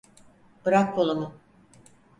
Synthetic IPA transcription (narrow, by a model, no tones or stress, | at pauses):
b̥ɯɾak̚bolˠamɯ